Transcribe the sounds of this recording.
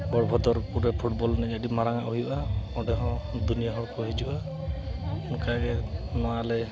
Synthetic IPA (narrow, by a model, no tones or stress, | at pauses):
bɔɾbʱɔd̪ɔɾkuɾɛpʰuʈbɔlnɛɡadimaɾaŋaʔuɦijuʔaɔɖɛɦɔ̃d̪unijaɦɔɽkɔɦid͡ʒuʔa | kaɡɛmalɛ